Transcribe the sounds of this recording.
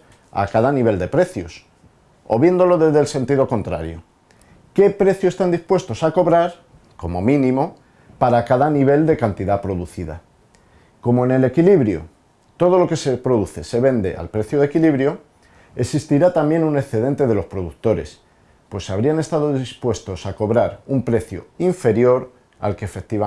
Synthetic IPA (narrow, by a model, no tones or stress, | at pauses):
a̰kaðaniβ̞e̞ld̪e̞pɾe̞θjo̞s | o̞̰βje̞nd̪o̞lo̞ðe̞zðe̞lse̞nt̪iðo̞kont̪ɾa̰ɾjo | ke̞pɾe̞θjosest̪and̪ispwe̞st̪o̞sako̞βɾaɾ | ko̞mo̞mĩnĩmo̞ | paɾakaðaniβe̞ld̪e̞kant̪iðapɾo̞ðuθiða̰ | ko̞moene̞le̞kiliβɾjo̰ | t̪o̞ð̞o̞lo̞ke̞se̞pɾo̞ðuθe̞se̞βe̞nd̪e̞̰ʔa̰lpɾe̞θjoðekiliβɾjo̞ | esist̪iɾat̪ambje̞nune̞θe̞ð̞e̞nt̪e̞ðe̞lo̞spɾo̞ðuk̚t̪o̞ɾe̞̰s | pwe̞saβ̞ɾiane̞st̪aðo̞ðispwe̞st̪o̞sako̞βɾaɾumpɾe̞θjo̰iɱfe̞ɾjo̞ɾ | a̰lke̞ːfe̞k̚t̪iβa